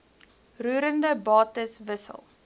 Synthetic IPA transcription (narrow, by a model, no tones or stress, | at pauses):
ruːɾəndəbɑːtəsvəsə̰lˠ